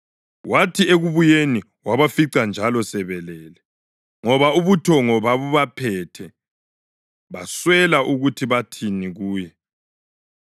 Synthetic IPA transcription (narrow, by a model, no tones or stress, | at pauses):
wʔatʰieɣuβujeni | waβafiǀand͡ʒʱalɔsɛβɛlɛːlɛ | ŋɔβauβutʰɔŋɔβaβuβapʰɛtʰɛ | βaswɛlaʔuɣutʰiβatʰiniɣuːjɛ